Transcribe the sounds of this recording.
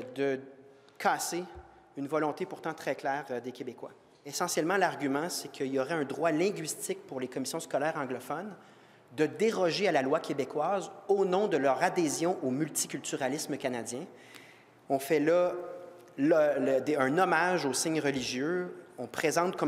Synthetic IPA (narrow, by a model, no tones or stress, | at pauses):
d̪ə | kʰaːse | ynvɔlɔ̃t̪epuʁt̪ɑ̃t̪χɛklɛːʁd̪ekʲebekwa | esɑ̃sjɛlmɑ̃laʁɡʲymɑ̃sɛkʰəilɔʁɛɛ̃d̪ʁwalɛ̃ɡʲɥist̪ɪk̚puʁlekɔmisjɔ̃skɔlɛːʁɑ̃ɡlɔfɔn | d̪əd̪eʁɔʒealalwakʰʲebekwaːzonɔ̃d̪əlœʁad̪ezjɔ̃ʔomylt̪i̥kʲylt̪yʁalɪsməkanad͡z̪jɛ̃ | ɔ̃fɛlɔ | lɔld̪eɛ̃nɔmaʒosɪɲʁəliʒjøɔ̃pχezɑ̃t̪̚kɔ